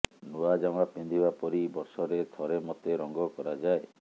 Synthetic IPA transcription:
nuad͡ʒamapind̪ʱibapɔɾibɔɾsɔɾet̪ʰɔɾemɔt̪eɾɔŋɡɔkɔɾad͡ʒae

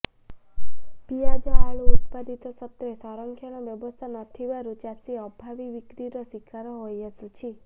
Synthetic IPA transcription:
pijad͡ʒɔaɭuut̪pad̪it̪ɔsɔt̪jɔesaɾɔŋkʰjɔɽ̃ɔbjɔbɔst̪ʰanɔt̪ʰibaɾut͡ʃasiɔbʱabibikɾiɾɔsikʰaɾɔɦojəsut͡ʃʰi

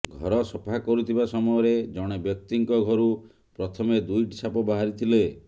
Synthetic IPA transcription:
ɡʱɔɾɔsɔpʰakɔɾut̪ʰibasɔmɔjɔɾed͡ʒɔɽ̃ebjɔk̚t̪iŋkɔɡʱɔɾu | pɾɔt̪ʰɔmed̪ujʈsʰapɔbaɦaɾit̪ʰile

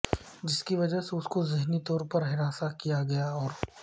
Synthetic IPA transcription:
d͡ʒɪskiʋɐd͡ʒəɦseʊskozɪɦnit̪ɔːɾpɐɾɦɪɾaːsakijaɡɐjaɔːɾ

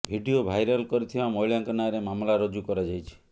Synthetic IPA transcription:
bʱiɖiobʱajɾɔlkɔɾit̪ʰibamɔjljaŋkɔnaɾemamlaɾɔd͡ʒukɔɾad͡ʒajt͡ʃʰi̥

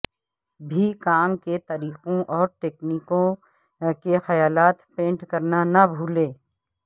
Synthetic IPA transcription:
bʱikaːmket̪ɐɾiːqõʔɔːɾʈeːkniːkõ | kexɐjaːlaːt̪pẽːɳʈkɐɾnanabʱuːlẽː

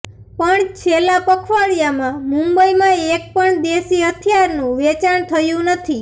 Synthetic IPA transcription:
pəɳt͡ʃʰelapəkʰʋaɭjamãmũmbəimãek̚pəɳd̪esiət̪ʰjaɾnũʋɛt͡ʃaɳt̪ʰəjũnət̪ʰi

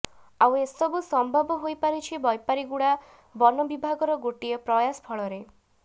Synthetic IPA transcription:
awesɔbusɔmbʱɔbɔɦojpaɾit͡ʃʰibɔjpaɾiɡuɽa | bɔnɔbibʱaɡɔɾɔɡoʈiɔpɾɔjaspʰɔɭɔɾe

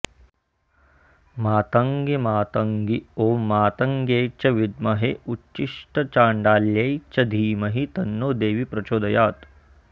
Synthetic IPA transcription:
maːt̪ɐŋɡimaːt̪ɐŋɡioːmːaːt̪ɐŋɡeːt͡ʃɐʋid̪̚mɐɦeut͡ʃːiʂʈɐt͡ʃaːɳɖaːljɐjt͡ʃɐd̪ʱiːmɐɦit̪ɐnːoːd̪eːʋipɾɐt͡ʃoːd̪ɐjaːt̪

